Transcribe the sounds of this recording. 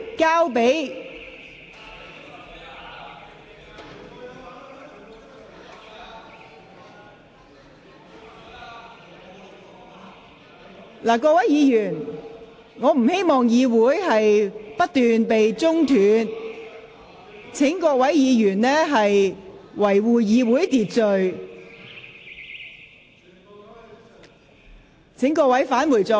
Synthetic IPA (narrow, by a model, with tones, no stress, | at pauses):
kaː˥wpe˨˥j | laː˨˩kɔː˧wɐ˨˥jiː˨˧jyː˨˩n | ŋɔː˨˧m̩˨˩he˥jmɔː˨ŋjiː˨˧wuː˨˥jhɐ˨jpɐ˥t̚t̪yː˨npe˨jt͡sʊ˥ŋt̪ʰyː˨˧n | t͡sʰɪ˨˥ŋkɔː˧wɐ˨˥jjiː˨˧jyː˨˩nlɛː˥ɦɐ˨jwɐ˨˩jwuː˨jiː˨˧wuː˨˥jt̪iː˨t̚t͡sɵ˨˧ɥ | t͡sʰɪ˨˥ŋkɔː˧wɐ˨˥jfaː˨˥nwuː˨˩jt͡sʊ˨˧